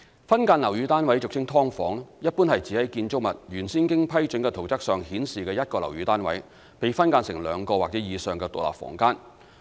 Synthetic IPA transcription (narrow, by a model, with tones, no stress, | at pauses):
fɐ˥nkaː˧nlɐ˨˩wjyː˨˧t̪aː˥nwɐ˨˥jt͡sʊ˨k̚t͡sʰɪ˥ŋt̪ʰɔː˥ŋfɔː˨˥ŋjɐ˥t̚puː˥nhɐ˨jt͡si˨˥hɐ˨˥jkiː˧nt͡sʊ˥k̚mɐ˨t̚jyː˨˩nsiː˥nkɪ˥ŋpʰɐ˥jt͡ʃɵ˨˥nkɛː˧t̪ʰo˨˩wt͡sɐ˥k̚sœː˨ŋhiː˨˥nsiː˨kɛː˧jɐ˥t̚kɔː˧lɐ˨˩wjyː˨˧˥t̪aː˥nwɐ˨˥j | pe˨jfɐ˥nkaː˧nsɪ˨˩ŋlœː˨˧ŋkɔː˧waː˨k̚t͡sɛ˨˥jiː˨˧sœː˨˩ŋkɛː˧t̪o̰˨k̚la̰ː˨p̚fɔ̰ː˨˩ŋkaː˥n